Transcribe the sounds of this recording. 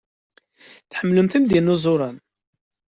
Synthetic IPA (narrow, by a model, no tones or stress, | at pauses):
θħəmːləmθənd̪inːuzˤʊɾˤɑn